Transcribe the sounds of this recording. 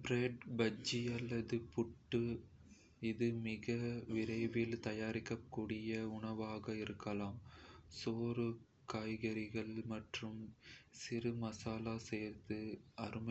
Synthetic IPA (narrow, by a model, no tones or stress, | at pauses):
bɾeːɖbɐd͡ʒiɐlːɐðɯpʊʈːɯ | ɪðɯmɪɣɐʋɪɾɐɪʋɪlt̪ɐjaːɾɪkːɐkːuːɽɪjɐʊɳɐʋaːɣɐɪɾɯkːɐlaːmsoːɾɯ | kaːjɣɐɾɪɣɐɭmɐʈrɯmsɪɾɯmɐsaːlaːsɛjːɾt̪ɯɐɾɯmɐ